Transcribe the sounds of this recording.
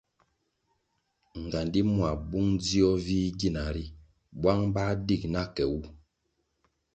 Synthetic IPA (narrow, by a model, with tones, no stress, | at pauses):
ŋ˨ɡa˨ndi˦mwa˨bu˦ŋd͡zi˦ɔ˦viː˦ɡi˦˨na˨ɾi˦ | bwa˦ŋba˦di˦˨k̚na˦kɛ˨wu˦